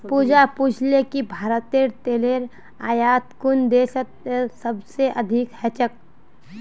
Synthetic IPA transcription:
puːd͡ʒapuːd͡ʒʰʱlekibʱaːɾət̪eɾt̪eːleɾ | a̰ːjaːt̪kʊnd̪eːʃət̪̚səbseʔɐd̪ʱɪkhɛt͡ʃək̚

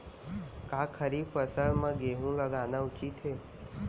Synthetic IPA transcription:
kakʰəɾiːfəsəmə̃ɡeɦũləɡanaut͡ʃiːt̪ɦeː

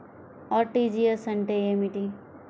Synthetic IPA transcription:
ɔʈid͡ʒiɐsɐɳʈeemiʈi

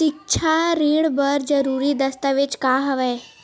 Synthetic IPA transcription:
ik̚t͡ʃʰaɾiɽbəɾd͡zəɾuɾiːd̪əst̪aʋet͡ʃkaɦəʋəj

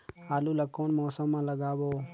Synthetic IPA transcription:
aːluːləkːoːnmoːsəmːãːləɡaːboː

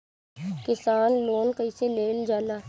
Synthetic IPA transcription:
kɪsaːnloːnkəiseleːld͡ʒaːlaː

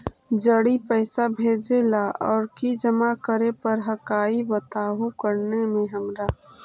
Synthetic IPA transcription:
d͡ʒəɽipɛɪsabʱeːd͡ʒelaʔɔːɾkid͡ʒəmakəɾepəɾɦəkaːibət̪aːɦukəɾnemẽɦəmɾa

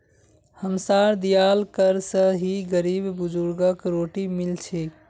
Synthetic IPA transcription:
həmsaɾd̪ijalkəɾsə̃ɦiɡəɾibbud͡ʒuɾɡəkɾoʈimilt͡ʃʰi

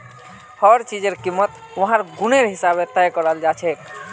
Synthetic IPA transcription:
hɔɾt͡ʃid͡ʒəɾkimːət̪ | ʋəɦãɾɡuneɾɦisabet̪ɛjkəɾəld͡ʒat͡ʃʰɛ

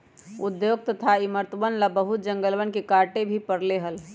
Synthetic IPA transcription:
ud̪joːɡ̚t̪ət̪ʰaiməɾt̪əʋənlabəɦut̪̚d͡ʒə̃ŋɡəlʋənkekaɾʈebʱipəɾleɦəl

